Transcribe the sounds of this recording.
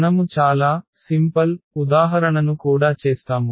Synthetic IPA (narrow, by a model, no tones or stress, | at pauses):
nɐmut͡ʃaːlaːsimpɐlud̪aːɦɐɾɐɳɐnukuːɽaːt͡ʃeːst̪aːmu